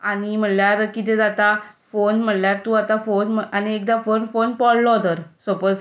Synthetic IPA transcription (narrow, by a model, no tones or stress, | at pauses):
aɽ̃im̤əɽljaɾkit̪ɛd͡zat̪afonm̤əljaɾt̪uːat̪afonməañiekd̪afonfonpɔlːɔd̪əɾsopəs